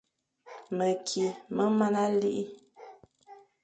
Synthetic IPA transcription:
mə˨kʰi˨mə˦ma˦na˦li˦ʔi˦

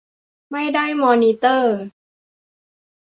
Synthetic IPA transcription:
ma˥˩jda˥˩jmɔː˧niː˧t̪ɤː˥˩

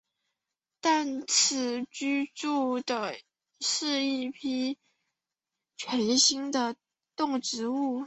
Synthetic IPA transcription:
t̪a˥˩nt͡s̩ʰ˧˩t͡ɕy˥ʈ͡ʂu˥˩d̪ə˩ | ʂɻ̩˥˧i˥˩pʰi˥ | t͡ɕʰɥɛ˧˥nɕi˥ŋd̪ə˨ | t̪ʊ˥˩ŋʈ͡ʂɻ̩˧˥u˥˩

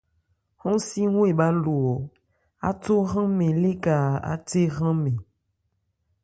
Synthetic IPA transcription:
hɔ̃˦si˦ŋwe˦˨ɓa˦lu˨wɔ˨ | a̰˦to˦ɣã˦me˨le˦ka˨a̰˦te˦ɣã˦me˨

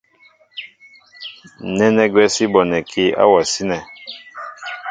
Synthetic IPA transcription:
nɛ˦nɛ˦ɡwɛ˦si˦bɔ˨nɛ˨kʰi˦a̰˦wa˨si˦nɛ˨

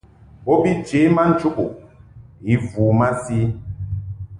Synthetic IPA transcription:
bɔ˦bi˦d͡ʒe˨˦ma˦n̩˦t͡ʃu˦ku˨ | i˨vuː˨ma˦si˦

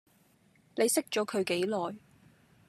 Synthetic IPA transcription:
ne˨˧jsɪ˥k̚t͡ʃɔː˨˥kʰɵ˨˧ɥke˨˥jlɔː˨j

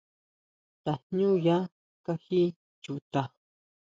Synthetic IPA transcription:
t̪ḁ˨ɲũ˦ja˦ | ka˦hi˦ | t͡ʃu˨t̪a˧˨

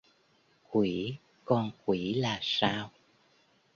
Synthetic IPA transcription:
kwi˧˩˦ | kɔ˧nkwi˧˩laː˨˩saː˧w

